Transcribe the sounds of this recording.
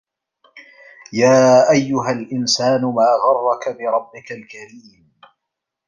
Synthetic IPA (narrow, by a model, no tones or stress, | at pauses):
jaːʔajːʊɦalʔɪnsaːnʊmaːɣɑrˤːɑkabɪɾˤɑbːɪkalkaɾiːm